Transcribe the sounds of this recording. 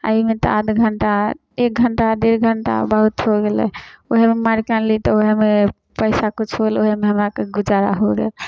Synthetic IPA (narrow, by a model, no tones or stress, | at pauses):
a̰imet̪ɔ̰ad̪ɡʱəɳʈa | ek̚ɡʱəɳʈad̪iɾɡʱəɳʈa̰bəɦut̪ɦoɡelɛ̰oɦememaɾikanlit̪ɔoɦeme | pəɪsakut͡ʃʰɦoloɦemeɦəmɾakeɡud͡ʒaɾa̰ɦoɡḛl